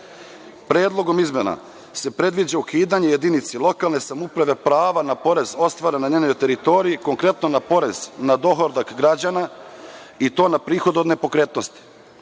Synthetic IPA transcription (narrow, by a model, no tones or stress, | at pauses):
pɾe̞ːd̪lˠo̞ɡo̞mizme̞na̰ | se̞pɾe̞d̪ʋid͡ʑaukiːd̪aɲejed̪init̪selˠo̞kalne̞samupɾaʋe̞pɾaːʋanapo̞ɾe̞zo̞st̪ʋaɾanːaɲeːɲo̞jt̪e̞ɾit̪o̞ɾiiko̞ŋkɾe̞t̪nonapo̞ɾe̞znad̪o̞ɦoɾd̪akɡɾad͡ʑana | it̪o̞ːnapɾiːxo̞d̪uod̪ne̞po̞kɾe̞ːt̪no̞st̪i̥